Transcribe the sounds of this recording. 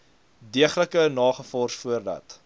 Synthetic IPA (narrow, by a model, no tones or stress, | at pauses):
diəχləkənɑːχəfɔrsfuərdɐ̰t